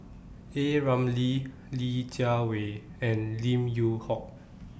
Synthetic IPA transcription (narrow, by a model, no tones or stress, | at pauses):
eɹãmli | lid͡ʒaweɛ̃nlĩmjuhɔk̚